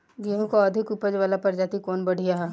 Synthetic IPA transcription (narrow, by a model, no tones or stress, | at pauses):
ɡiɦõkoɐd̪ʱɪkupəd͡ʒʋaːlapɐɾd͡ʒaːt̪ikɔːnbɐɽ̤ʱijaɦɛ